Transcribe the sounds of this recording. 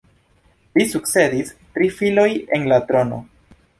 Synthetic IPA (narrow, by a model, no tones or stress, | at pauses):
lisuk̚t͡sse̞distɾifilo̞je̞nlatɾo̞no̞̰